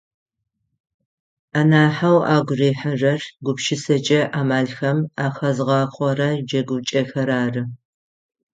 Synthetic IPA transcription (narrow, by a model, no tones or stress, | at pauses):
aːnaːħawaːɡʷʊreːħɐʐɐrɡʷʊpʃɪsɐt͡ʃʼɐʔaːmaːɮxɐmaːxɐzʁɑːqʰʷʼɔɾɐd͡ʒɐɡʷʊt͡ʃʼɐxɐɾaːrɨ